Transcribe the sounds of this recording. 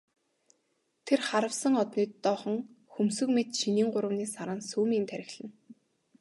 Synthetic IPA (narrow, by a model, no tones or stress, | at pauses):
t̪ʰerχaɾə̆wsə̆ŋɔt̪niːt̪ːɔːχɞ̆ŋ | xumsɵ̆kmet̪ʃiniːŋɢʊɾə̆wniːsaɾăːnsuːmiːnt̪ʰæɾʲɪ̆xɮɘ̆n